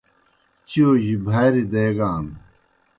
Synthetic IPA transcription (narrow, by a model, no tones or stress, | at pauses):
t͡ɕioːʑibʱaːɾid̪eːɡaːn